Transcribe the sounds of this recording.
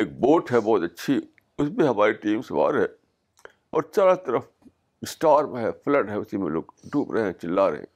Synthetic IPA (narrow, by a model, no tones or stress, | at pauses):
eːk̚boːʈɦɛbɔːt̪ɐtːʃʰi | ʊsmẽɦɐmaːɾiʈiːmsʋa̰ːɾɦɛː | ɔːɾsaːɾat̪ɐɾəf | ɪsʈaːɾmẽɦɛfləʈɦɛʊsimḛ̃lo̰ːɡɖʱuːpɾɐɦẽɦɛ̃t͡ʃɪlːaɾɐ̰ɦḛ̃